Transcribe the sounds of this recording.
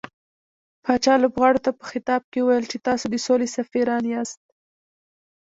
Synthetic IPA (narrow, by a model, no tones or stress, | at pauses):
pɑt͡ʃɑlobɣɑɽot̪apə̥xɪt̪ɑb̚keuwajəlt͡ʃet̪ɑsod̪əsolesafiɾɑnjɑst̪̚